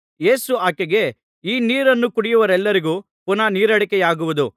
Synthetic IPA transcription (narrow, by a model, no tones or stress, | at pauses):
je̞ːsuaːkeɡe̞ | iːniːɾɐnːukuɽijuʋɐɾɛlːɐɾiɡuː | punɐniːɾɐɽɐkɛjaːɡuʋud̪u